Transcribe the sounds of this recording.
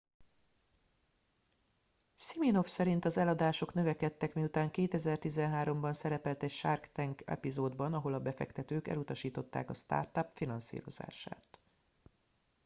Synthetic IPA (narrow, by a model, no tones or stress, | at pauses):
simino̞fsɛɾint̪ɒzɛlɒd̪aːʃo̞knø̞vɛkɛt̪ːɛkmijut̪aːŋkeːt̪ɛzɛrt̪izɛnɦaːɾo̞mbɒnsɛɾɛpɛlt̪ɛcʃarkt̪ɛŋkɛ̰pizoːd̪bɒnɒɦo̞lɒbɛfɛ̰kt̪ɛt̪øːkɛ̰lut̪ɒʃiːt̪o̞t̪ːa̰ːkɒst̪a̰ːrt̪ɒpfinɒnsḭːɾo̞̰za̰ːʃa̰ːt̪